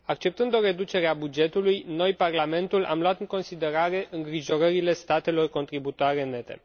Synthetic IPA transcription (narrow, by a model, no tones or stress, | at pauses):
ak̚t͡ʃe̞p̚t̪ɨnd̪o̞ɾe̞d̪ut͡ʃe̞ɾeabud͡ʒe̞t̪ulujno̞jparlame̞nt̪ula̰mloat̪ɨŋko̞nsid̪e̞ɾaɾe̞ʔʔɨŋɡɾiʒo̞ɾəɾile̞st̪at̪e̞lo̞rko̞nt̪ɾibut̪oaɾe̞nːe̞t̪ḛ